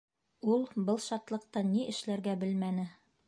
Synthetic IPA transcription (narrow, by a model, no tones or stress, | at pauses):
ulˠbɤlˠʃɑt̪lˠɤ̆q̚t̪ɑniʔɘ̆ʃlæɾɡæbɘlmænɘ